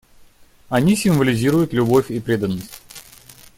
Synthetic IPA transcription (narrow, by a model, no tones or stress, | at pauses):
ɐnʲisʲɪmvəlʲɪzʲiɾʊjʊt̪lʲʊbo̞fʲipɾʲe̞d̪ənːəsʲtʲ